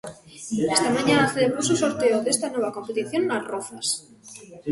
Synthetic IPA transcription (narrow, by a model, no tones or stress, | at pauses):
est̪amãɲanaθeleβ̞ɾosusoɾt̪eoðest̪anweβ̞akompet̪iθjonːarofas